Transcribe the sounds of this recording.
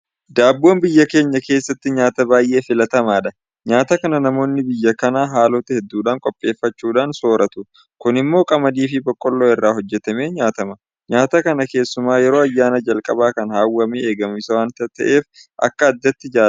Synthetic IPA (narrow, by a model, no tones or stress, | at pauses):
d̪aːbːo̞ːnbɪjːɐke̞ːɲːɐkeːsːɐt̪ːɪɲaːt̪ɐbaːjʔe̞ːfɪlɐt̪ɐmaːᶑɐ | ɲaːt̪ɐkɐnɐnɐmo̞ːnːɪbɪjːɐkɐnaːɦaːlɔt̪ɐhɛd̪ːuːᶑaːŋkʼɔpʼːe̞ːfːɐt͡ʃːuːᶑaːnso̞ːɾɐt̪ʊ | kʊnɪmːo̞ːkʼɐmɐd̪iːfɪbɔkʼːɔlːoːɪrːaːɦɔd͡ʒːɛt̪ɐme̞ːɲaːt̪ɐmɐ | ɲaːt̪ɐkɐnɐke̞ːsːʊmaːjɛɾo̞ːɐjːaːnɐd͡ʒɐlkʼɐbaːkɐnhaːwːɐmeeːɡɐmɪsɐwaːnt̪ɐt̪ɐ̰ʔe̞ːfʔɐ̰kːɐːd̪ːɐt̪ːɪd͡ʒaː